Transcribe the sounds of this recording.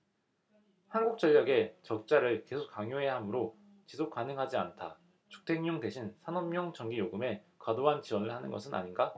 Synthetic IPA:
hanɡuk̚t͡ɕ͈ʌʎːʌɡe̞t͡ɕʌk̚t͡ɕ͈aɾɯɭke̞sʰok͈ːaŋjoɦeɦamɯɾo | t͡ɕisʰok͈̚anɯŋɦad͡ʑiantʰa | t͡ɕu̥k̚tʰe̞ŋɲoŋde̞ɕʰinsʰanʌmmːjʌŋt͡ɕʌŋɡijoɡɯme̞kwadoɦant͡ɕiwʌnɯɭhanɯnɡʌsʰɯna̰ɲinɡa

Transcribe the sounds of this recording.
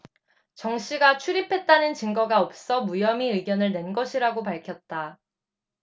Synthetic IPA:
t͡ɕʌŋɕʰiɡat͡ɕʰuɾipʰe̞t̚t͈anɯnt͡ɕɯŋɡʌɡaʌp̚s͈ʌmujʌmiɯɭɡjʌnɯɭnwe̞nɡʌɕʰiɾaɡopaɭkʰjʌt̚t͈a

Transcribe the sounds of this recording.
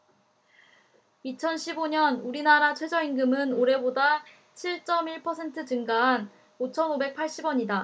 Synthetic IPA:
it͡ɕʰʌnɕʰiboɲʌnuɾinaɾat͡ɕʰwe̞d͡ʑʌinɡɯmɯnoɾe̞boda | t͡ɕʰiɭt͡ɕ͈ʌmiɭpʰʌsʰe̞ntʰɯd͡ʑɯŋɡaɦːn | ot͡ɕʰʌnobe̞k̚pʰaɭɕ͈ibwʌɲida

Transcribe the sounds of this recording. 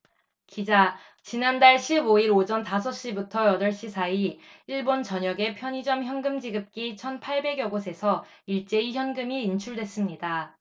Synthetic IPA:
kid͡ʑa | t͡ɕinandaɭɕʰiboiɾod͡ʑʌntasʰʌɕ͈ibutʰʌjʌdʌɭɕ͈isʰaiiɭbont͡ɕʌɲʌɡe̞pʰjʌɲid͡ʑʌmçjʌnɡɯmd͡ʑiɡɯp̚k͈it͡ɕʰʌnpʰaɭbe̞ɡjʌɡosʰe̞sʰʌ | iɭt͡ɕ͈e̞içjʌnɡɯmiːnt͡ɕʰuɭdwe̞s͈ɯmɲida

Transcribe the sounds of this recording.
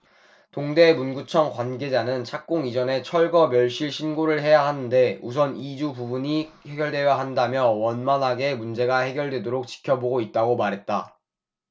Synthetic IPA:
toŋde̞munɡut͡ɕʰʌŋkwanɡe̞d͡ʑanɯnt͡ɕʰak̚k͈oŋid͡ʑʌne̞t͡ɕʰʌɭɡʌmjʌɭɕ͈iɭɕʰinɡoɾɯɭhe̞jaɦanɯnde̞us̬ʰʌnid͡ʑububuɲi | he̞ɡjʌɭdwe̞jaɦandamjʌwʌnmanɦaɡe̞mund͡ʑe̞ɡahe̞ɡjʌɭdwe̞doɾok̚t͡ɕi̥kʰjʌboɡoit̚t͈aɡomaɾɦe̞t̚t͈a

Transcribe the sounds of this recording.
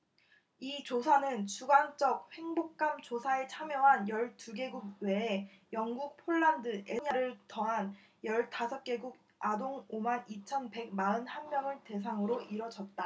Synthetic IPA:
it͡ɕosʰanɯnt͡ɕuɡant͡ɕ͈ʌk̚ɸe̞ŋbok̚k͈amt͡ɕosʰaet͡ɕʰamjʌɦanjʌɭtuɡe̞ɡuɡ̚we̞ː | jʌŋɡuk̚pʰoɭːandɯʔeɲiaɾɯɭtʌŋɦan | jʌɭtasʰʌp̚k͈e̞ɡuɡ̚ | adoŋomanit͡ɕʰʌnpe̞ɡ̚maɯnhanmjʌŋɯɭte̞s̬ʰaŋɯɾoʔiɾʌd͡ʑʌt̚t͈a

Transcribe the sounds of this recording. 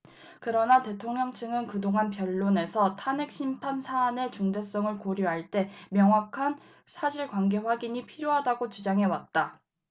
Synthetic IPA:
kɯɾʌnate̞tʰoŋɲʌŋt͡ɕʰɯŋɯnkɯdoŋanpjʌɭːone̞sʰʌtʰanek̚ɕ͈ʰimpʰansʰaːne̞t͡ɕuŋde̞s͈ʌŋɯɭkoɾjiɦaɭt͈e̞mjʌŋwakʰan | sʰaɕʰiɭkwanɡe̞ɸwaɡiɲipʰiɾjoɦadaɡot͡ɕud͡ʑaŋɦe̞wat̚t͈a

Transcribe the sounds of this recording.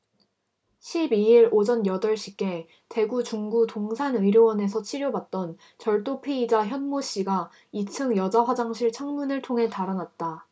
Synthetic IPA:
ɕʰibiiɾod͡ʑʌnjʌdʌɭɕ͈ʰik͈e̞ | te̞ɡut͡ɕuŋɡutoŋsʰanɯiɾjowʌne̞s̬ʰʌt͡ɕʰiɾjobat̚t͈ʌn | t͡ɕʌɭt͈opʰeid͡ʑaçjʌnmoɕ͈iɡa | it͡ɕʰɯŋjʌd͡ʑaɸwad͡ʑaŋɕʰiɭt͡ɕʰaŋmunɯɭtʰoŋɦe̞taɾanat̚t͈a

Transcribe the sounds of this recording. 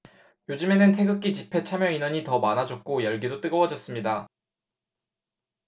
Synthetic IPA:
jod͡ʑɯme̞nɯntʰe̞ɡɯk͈it͡ɕipʰe̞t͡ɕʰamjʌinʌɲitʌmanad͡ʑʌk̚k͈ojʌɭɡidot͈ɯɡʌwʌd͡ʑʌs͈ɯmɲida

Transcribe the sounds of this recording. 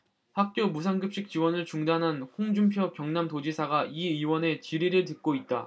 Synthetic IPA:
hak̚k͈jomusʰaŋɡɯp̚ɕ͈ik̚t͡ɕ͈iwʌnɯɭt͡ɕuŋdanɦanɸoŋd͡ʑumpʰjʌkjʌŋnamtod͡ʑisʰaɡaiɯwʌne̞t͡ɕiɾiɾɯɭt̬ɯt̚k͈oit̚t͈a̰

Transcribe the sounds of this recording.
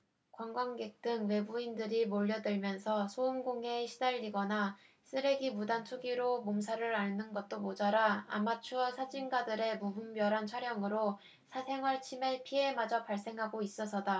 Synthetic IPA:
kwaŋɡwaŋɡe̞k̚t͈ɯŋwe̞buindɯɾimoʎːʌdɯɭmjʌnsʰʌsʰoumɡoŋe̞ɕʰidaʎːiɡʌna | s͈ʰɯɾe̞ɡimudant͡ɕʰoɡiɾomomsʰaɾɯɾaɭnɯnɡʌt̚t͈omod͡ʑaɾaa̰mat͡ɕʰuʌsʰad͡ʑinɡadɯɾe̞mubumbjʌɾant͡ɕʰʌɾjʌŋɯɾo | sʰasʰe̞ŋʌɭt͡ɕʰimepʰie̞mad͡ʑʌpaɭs͈e̞ŋɦaɡois͈ʌsʰʌda

